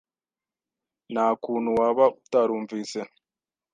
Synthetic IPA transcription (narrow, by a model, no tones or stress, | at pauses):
naːkuːn̤uwaːβautaɾuːɱviːse